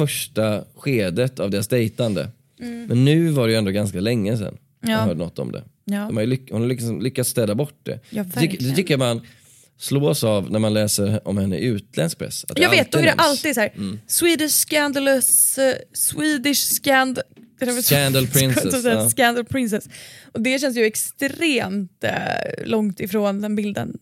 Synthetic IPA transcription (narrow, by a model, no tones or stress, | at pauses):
fœʂʈaɧeːd̪ət̪ʰavd̪eːɾasd̪ɛjt̪and̪ə̰ | mɛnːʉ̟ːvaɖɛjʏɛnd̪oːɡanskalɛŋːəsɛ̰nː | œ̰ːd̪ənɔt̪ːɔ̰md̪ɛ̰ | ɛmhajlʏhʊnhajlɪkːsɔmlʏkːat̪st̪ɛːd̪abɔʈ̚ːd̪ɛ̰d̪ʏkːəd̪ɛt̪ʰʏkːəɾman | sloːsavnæɾmanlɛːsəɾɔmhɛnːə̰ʔʉ̟ːt̪lɛnsk̚pʰɾɛ̰sːat̪djɑɡavːt̪̚d̪ɔɛd̪ɛʔalt̪iːd̪sɔːɾ̩swiːd̪ɪʂskand̪əlœsswiːd̪ɪʂskænd̪ | ɛɛænd̪əlpʰɾɪnɛsskænd̪əlpʰɾɪnsɛsɔd̪ɛɕɛnsjʏɛkst̪ɾeːmt̪lɔŋt̪ɪfɾoːnd̪ɛnbɪld̪ə̰n